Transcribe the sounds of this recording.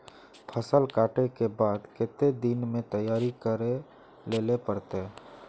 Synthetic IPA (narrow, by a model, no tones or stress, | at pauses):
pʰəsəlkaːʈekebaːd̪kɪt̪ed̪inmẽt̪əjaːɾikəɾe | leːlepəɾt̪e